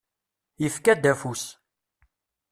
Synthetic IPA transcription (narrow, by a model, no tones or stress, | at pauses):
jəfkæd̪æfus